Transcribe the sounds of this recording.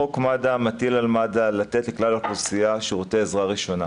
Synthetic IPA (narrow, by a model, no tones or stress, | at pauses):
okmadamat̪ilalmadalat̪et̪leklalaklusijaʃeʁoteezʁaʁiʃo̞na